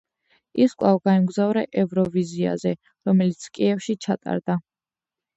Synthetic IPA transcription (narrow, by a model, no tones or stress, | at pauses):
iskʼwavɡaɛmɡzavɾɛʔɛvɾɔvizia̰zɛ | ɾɔmɛlit̪sʰkʼiɛfʃit͡ʃʰat̪ʼa̰ɾd̪a